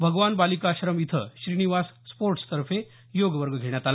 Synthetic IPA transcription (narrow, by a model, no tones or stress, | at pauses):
bʱəɡʋanbalikaɕɾəmit̪ʰə̰ɕɾiniʋasːpoɾʈst̪əɾfe | joɡʋəɾɡəɡʱeɽ̃jat̪ala